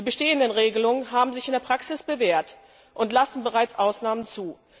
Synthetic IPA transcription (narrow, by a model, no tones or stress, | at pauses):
d̥iːbəʃteːəndənʁeːɡəlʊŋənɦaːbm̩zɪçɪndeɐpʁ̥aksɪsb̥əveːɐt | ʔʊntlasn̩bəʁ̞aɪt͡sʔaʊsnaːmənt͡suː